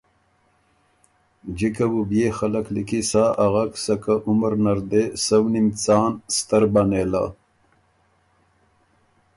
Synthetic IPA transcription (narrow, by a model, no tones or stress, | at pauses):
d͡ʒikabubjexalaklikisaːʔaɣaksakaʔuməɾnaɾd̪esawnimt͡saːnst̪əɾbanela̰